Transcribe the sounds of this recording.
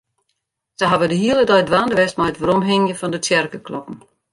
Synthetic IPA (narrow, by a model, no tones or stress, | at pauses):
sɛɦavədəɦiəlˠədɔjədʋaːndəʋɛst̚majətʋəɾɔmɦɪŋjəfɔndətjɛrkəklɔpn̩